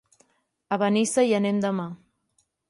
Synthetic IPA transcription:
əβənisəjənemd̪əma

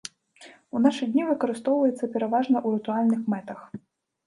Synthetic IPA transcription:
unaʂɨd̪ʲnʲivɨkɐɾɨst̪ɔwvɐjɛt̪sːɐpʲɛɾavaʐnɐʔuɾɨt̪ualʲnɨxmɛt̪ɐx

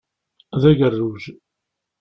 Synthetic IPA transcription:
ðæʝərːuʒ

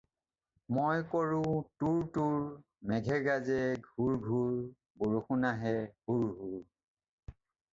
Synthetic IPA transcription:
mojkɔɹʊ̃tuɹtuɹ | mɛɡʱɛɹɡazɛɡʱuɹɡʱuɹ | boɹuxunaɦɛhuɹɦuɹ

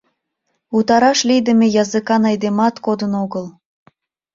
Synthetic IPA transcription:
ut̪ɑɾɑʃlid̪əmejɑzɨkɑnɑjd̪emɑt̪kod̪ənoɣəl

